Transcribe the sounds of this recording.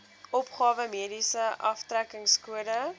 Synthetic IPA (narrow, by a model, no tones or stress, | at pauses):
ɔpχɑːvəmiədisəʔɐftrækəŋskuəɾə